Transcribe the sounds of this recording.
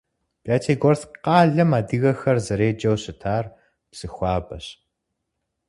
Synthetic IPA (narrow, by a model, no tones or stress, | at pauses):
b̥aːtʰeːɡɔrθqɑːɮɐmaːdɨɣɐxɐrzɐɾeːd͡ʒɐwɕɪtʰaːr | psɨxʷɑːbɐɕ